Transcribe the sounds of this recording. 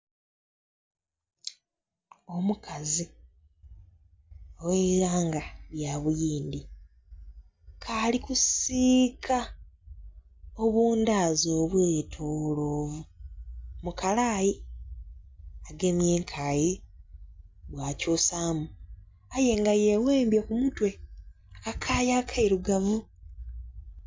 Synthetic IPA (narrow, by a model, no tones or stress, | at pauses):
o̞mukʰazi | oweɾaːŋɡaβjaβujiːndi | kʰaːlikusiːkʰa | oβuːndaːzo̞ːβweːtʰoːloːvu | mukalaːji | aɡe̞mjeːŋkʰaji | βwacuːsaːmu | aje̞ŋɡaje̞weːmbjekumutwe̞ | akakʰaːjakʰaiɾuɡavu